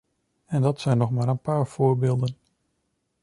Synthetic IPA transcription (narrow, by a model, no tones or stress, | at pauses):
ɛndɑtsɛjnːɔχmaːɾənpaːɹv̥ʊːɹbeːlˠdən